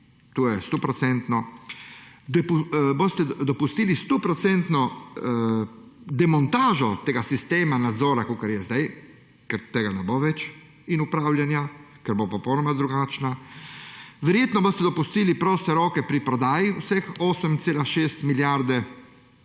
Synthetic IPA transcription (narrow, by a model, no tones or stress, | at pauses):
t̪ojɛst̪opɾɔtsɛnt̪nɔ | d̪pubost̪ɛd̪ɔpust̪iːlist̪opɾɔt̪sɛnt̪nɔ | d̪ɛmɔnt̪aːʒɔt̪eːɡasist̪eːmanad̪zɔːɾakokaɾjɛzd̪aj | kɛɾt̪eːɡanɛboʋɛt͡ʃ | inupɾaːwlʲjanja | kɛɾbopɔpɔwnɔmad̪ɾuɡaːt͡ʃna | ʋɛɾjeːt̪nɔboːst̪ɛd̪ɔpust̪iːlipɾoːst̪ɛɾoːkɛpɾipɾɔd̪aːjiusɛxoːsəmt̪seːlaʃeːst̪miljaɾd̪ɛ